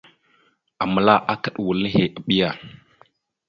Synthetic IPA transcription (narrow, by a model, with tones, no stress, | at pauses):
a˨mə˨la˦ʔa˦kə˨ɗwu˨lə˦ɦe˨ʔa˨ɓi˦ja˨